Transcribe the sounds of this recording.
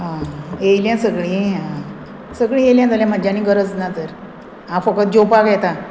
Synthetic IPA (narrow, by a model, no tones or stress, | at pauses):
ɦãejljãsəɡɭĩã | səɡɭĩjeljãt̪aljãm̤ad͡ʑanĩːɡəɾəd͡znat̪əɾ | ɦãfəkət̪̚d͡ʑopakɛt̪ã